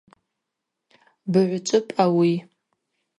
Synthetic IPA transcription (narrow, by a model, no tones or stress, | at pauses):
bɨʕʷʊt͡ʃʷʼʊpʼawi